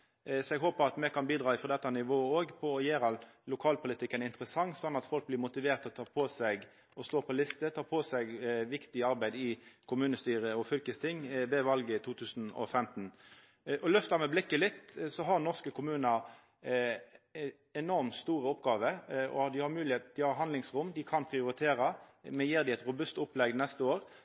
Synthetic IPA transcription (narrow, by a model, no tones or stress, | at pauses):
sɔɛɡɦoːpəʁɑt̪mɛkʰɑnbiːd̪ʁɑːɪfɔʁd̪ɛt̪ːɑnɪʋoːoːɡpʰɔɔjeːɾɑllʊkʰɑːlpʰʊlɪt̪ʰɪkːənɪnt̪əɾəsɑŋːsɔnːɑt̪fɔlk̚blɪɾmʊt̪ɪʋeːʁt̪ɔt̪ʰɑːpʰɔsæɡ | ɔst̪oːpʰɔlɪst̪ət̪ʰɑːpʰɔːsɛɡʋɪkt̪ɪɑɾbæɪd̪ɪkʰʊmʉːnəst̪yːʁəɔfʏlkəst̪ʰɪŋːʋɛʋɑlɡət̪ʰuːt̪ʰʉːsn̩ɔ̰fɛmt̪n̩ | ʔɔlœft̪ɑmɛblɪkːəlɪt̪ːsɔɦɑɾnɔʁskəkʰʊmʉːnə | ɛnɔɾmt̪st̪uːɾəɔpɡɑːʋəɔ̰ɑt̪̚d̪ɪhɑɾmʉːlɪheːt̪d̪ɪhɑɾɦɑnd̪lɪŋsɾʊmd̪ɪkʰɑnpʰʁɪʊɾɪt̪ʰeːɾɑmɛjiːʁd̪ɪɛt̪ɾʊbʉst̪ʊplɛɡnɛst̪əoːɾ